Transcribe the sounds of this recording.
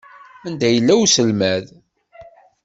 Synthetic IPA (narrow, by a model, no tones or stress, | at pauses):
ænd̪æjəlːæwsəlmæð